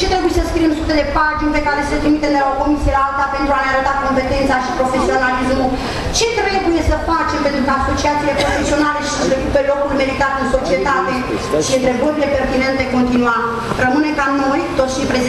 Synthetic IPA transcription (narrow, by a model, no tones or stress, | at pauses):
t͡ʃet̪ɾe̞bujesəskɾiemsut̪ed̪e̞paʒinpe̞kaɾe̞səlet̪ɾimit̪emd̪elao̞ko̞misijelaalt̪ape̞nt̪ɾuaneaɾət̪ako̞mpe̞t̪e̞nt̪saʃipɾofe̞sio̞nalismu | t͡ʃe̞t̪ɾebujebuje̞səfat͡ʃe̞mpent̪ɾukəaso̞t͡ʃiat̪sile̞pɾo̞fe̞sio̞nale̞ʃi̥səpɾekupelo̞kulmelit̪arɨnso̞t͡ʃie̞t̪at̪e̞ | ʃiɨnt̪ɾe̞bəɾile̞pe̞rt̪ine̞nt̪eko̞nt̪inua | rəmɨne̞kamno̞jt̪ot̪sʃipɾe